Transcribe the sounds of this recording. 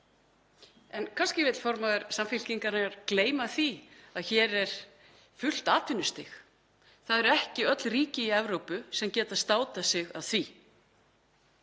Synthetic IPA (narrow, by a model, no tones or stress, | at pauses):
ɛnkʰanscɪvɪt̪l̥fɔɾmaðɛɾsamfɪl̥ciŋkaɾnɛɣaɾkleːjmaθiaðçɛːɾɛɾ̥ | fʏl̥t̪aːt̪ʏnːʏst̪ɪx | θaðɛɾɛhcɪœt̪lriːcɪiɛvɾowpʏsɛmcɛːt̪aðst̪aːwt̪asɪɣa̰ðθi